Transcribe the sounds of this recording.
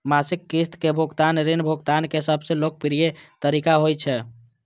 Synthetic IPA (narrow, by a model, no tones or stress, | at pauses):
masikːist̪kebʱoɡt̪anɾinbʱoɡt̪ankesəbʱsẽlok̚piɾijet̪əɾikaɦojt͡ʃʰɛ